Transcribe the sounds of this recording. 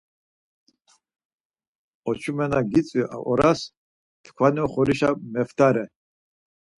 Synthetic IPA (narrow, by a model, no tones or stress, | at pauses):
ɔt͡ʃʰumɛnaɡit͡sʼwiʔa̰ʔɔɾas | t̪ʰkʰwaniɔχɔɾiʃamɛft̪ʰaɾɛ